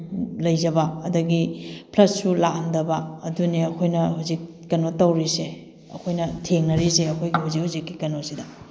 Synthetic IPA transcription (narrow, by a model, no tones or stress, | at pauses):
lɐjzɐbɐɐdɐɡipʰlɐtsulandɐbɐɐduniɐkʰojnɐɦuzik̚ːɐnotɐwɾise | ɐ̰kʰojnɐtʰeŋnɐɾiseɐkʰojɡihuzikhuzikːi̥kɐnosidɐ